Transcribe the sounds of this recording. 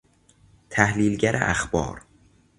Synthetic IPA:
t̪ʰæhliːlɟæɾʔḛʔæ̰xbɒ̰ːɾ

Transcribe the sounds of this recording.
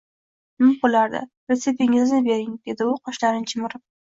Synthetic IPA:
mɪmbolaɾd̪ɪ̰ | ɾet̪sepʲɪŋɪznɪbe̞ɾɪŋd̪̥e̞d̪ɪʊqʰɒʃlaɾɪnt͡ʃʰɪmɪɾɪ

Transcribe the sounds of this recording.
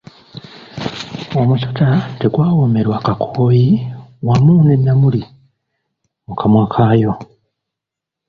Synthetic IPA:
omusotateɡwaːwomeɾwakakʰoːjiwamuːnemjamuli | mukʰamwakʰaːjo̞

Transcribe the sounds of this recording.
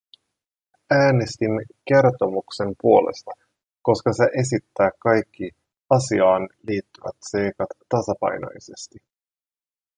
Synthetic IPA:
æːne̞st̪inke̞rt̪o̞mukse̞mpuo̞le̞̰st̪ɑ | ko̞skɑse̞ʔe̞s̬it̪ːæːkɑjkʰːi | ɑsiɑːnliːt̪ːyʋæ̰t̪se̞jkɑt̪ːɑsɑpɑ̰jno̰jse̞st̪i

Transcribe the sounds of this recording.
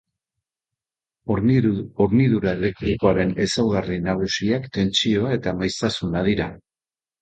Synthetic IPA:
oɾioɾniðuɾae̞le̞k̚t̪ɾikoaɾe̞ne̞sawɣarinaɣ̞usiakt̪e̞nt͡sio̞ae̞t̪amajst̪asunað̞iɾa

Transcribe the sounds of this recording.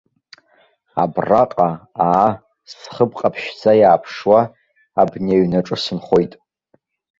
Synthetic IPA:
a̰braqʼaaː | sχəbqʼapʰʃd͡zajaːpʰʂwa | abneɥnaʈ͡ʂʼɨsɨnχo̞jtʼ

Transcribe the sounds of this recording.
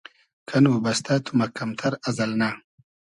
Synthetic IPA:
kʰɐnubɐst̪at̪ʰumɐkɐmt̪ʰɐɾɐzɐlna

